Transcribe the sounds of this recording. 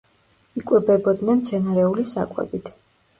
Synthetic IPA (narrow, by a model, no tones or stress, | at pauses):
ikʼwɛbɛbɔd̪nɛnmt̪sʰɛnaɾɛulisa̰kʼwɛ̰bit̪ʰ